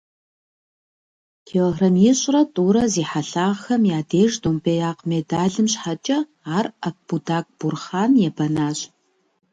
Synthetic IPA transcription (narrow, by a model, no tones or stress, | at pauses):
tʰeɦrɐmjiɕʼrɐtʼuːɾɐziːħaɬaːʁxɐmjaːdeːʒdoːmpʰejaːqmedaːɮɨmɕħat͡ʃʼɐ | aːrɐp̚b̥udaːk̚ʼb̥ʊrχaːnjɛbɐnaːɕʼ